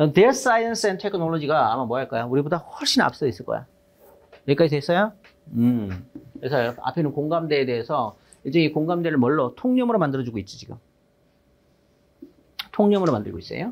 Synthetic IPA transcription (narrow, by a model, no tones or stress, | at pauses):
ʌtes͈aiʌnsɯentʰekʰɯnoɭːod͡ʑiɡa̰ːmamwʌaɭk͈ajouɾibodahwʌɭɕ͈ʰina̰p̚s͈ʌis͈ɯɭk͈ʌ̰ja̰ | jek͈ad͡ʑis̬ʰɦes͈ʌjo | ɯkesʰʌjoa̰pʰe̞nɯnkoŋɡamde̞ːde̞esʰʌ | id͡ʑʌŋikoŋɡamdeɾɯɭmʌɭːʌtʰoŋɲʌmɯɾomandɯɾʌd͡ʑuɡoit̚t͡ɕ͈it͡ɕiɡɯ̰m | tʰoŋɲʌmɯɾomandɯɭɡois͈ḛjo̰